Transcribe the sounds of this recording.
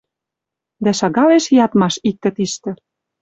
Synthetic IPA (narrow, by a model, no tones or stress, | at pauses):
d̪æʃɑɣɑleʃjɑt̪mɑʃik̚t̪ə̆t̪iʃt̪ɘ̆